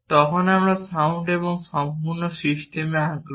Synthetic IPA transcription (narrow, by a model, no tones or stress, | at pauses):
t̪ɔɦɔnamɭɔsauɳɖebɔŋsɔmpuɾnɔsɾist̪ʰimaɡɾɔ